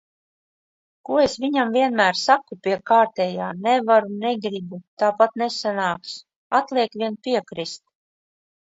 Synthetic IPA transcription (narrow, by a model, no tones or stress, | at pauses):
kuɔesviɲamviɛnmæːɾsakupʲiɛkaːɾt̪ɛːjaːnɛvaɾuneɡɾibut̪aːpat̪nesanaːks | at̪lˠiɛkvʲiɛnpʲiɛkɾist̪̚